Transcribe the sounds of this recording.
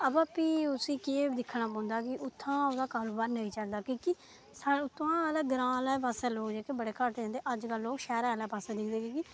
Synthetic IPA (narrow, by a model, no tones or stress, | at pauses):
əbapiːʊsĩːkeːd̪ɪkʰːnaːpãːnd̪aːkɪʔʊt̪ʰːãːod̪aːkaːɾoːbaːɾnəĩːt͡ʃəld̪aːkĩːki | saʊt̪ʰːãːlaːɡɾãːlɛːpaːsɛːloːkd͡ʒaːkebəɽeːkəɾt̪ed͡ʒãːnd̪eːʔəd͡ʒkəlːoːkʃɛːɾãːlaːpaːsɛːd̪ɪkʰd̪eːkĩːki